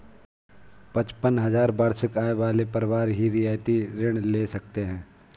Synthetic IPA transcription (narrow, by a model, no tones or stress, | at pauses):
pɐt͡ʃpənɦɐzaːɾbaːɾsɪkaːeʋaːlepɐɾʋaːɾɦiɾɪjaːjt̪iɾɪɽ̃leːsɐk̚t̪eɦɛ̃ː